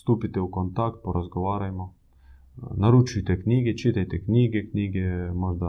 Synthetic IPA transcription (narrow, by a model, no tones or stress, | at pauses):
st̪uːpit̪ɛukɔnt̪ak̚t̪̚pɔɾazɡɔʋaːɾajmɔ | naɾuːt͡ʃujt̪ɛknʲiːɡɛt͡ʃiːt̪ajt̪ɛknʲiːɡɛknʲiːɡɛmɔd͡ʒd̪a